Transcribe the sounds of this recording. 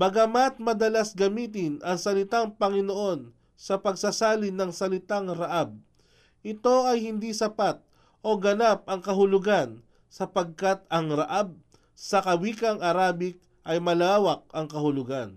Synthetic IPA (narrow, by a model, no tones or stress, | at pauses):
mɐɡɐmat̪̚mɐd̪ɐlasɡɐmiːt̪̬ɪnʔɐŋsɐlɪt̪aŋpɐŋɪnoʔo̞n | sɐpɐɡ̚sasaːlɪnɐŋsɐlɪt̪aŋɾɐʔab̚ | ʔɪt̪o̞ɐjhɪnd̪isɐpat̪̚ | ʔo̞ɡɐnap̚ʔɐŋkɐɦʊlʊɡan | sɐpɐɡ̚kat̪̚ɐŋɾɐʔab̚ | sɐkɐwiːkɐŋʔɐɾaːbɪk̚ | ʔɐjmɐlaːwɐk̚ɐŋkɐhʊlʊɡan